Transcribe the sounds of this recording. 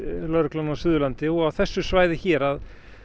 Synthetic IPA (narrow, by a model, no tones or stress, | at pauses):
lœɾklanawsʏːðʏlant̪ɪɔɣawθɛsːʏsvaːjðɪçɛːɾað